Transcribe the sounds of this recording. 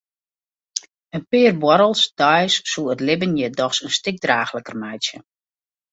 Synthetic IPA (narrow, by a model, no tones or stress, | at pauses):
ənpɪːrbwɔɾəlˠsd̥ɔjsːuətlɪbənjədɔxsənstɪk̚draːxləkərmɛjsjə